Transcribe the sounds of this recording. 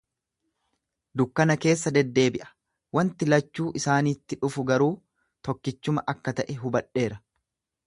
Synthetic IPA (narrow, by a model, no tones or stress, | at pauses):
d̪ʊkːɐnɐke̞ːs̬ːɐd̪ɛd̪ːe̞ːbɪʔɐ̥ | wɐnt̪ɪlɐt͡ʃːuːʔɪsaːniːt̪ːɪᶑʊfʊɡɐɾuː | t̪ɔkːɪt͡ʃːʊmɐʔɐkːɐt̪ɐʔɛɦʊbɐᶑe̞ːɾɐ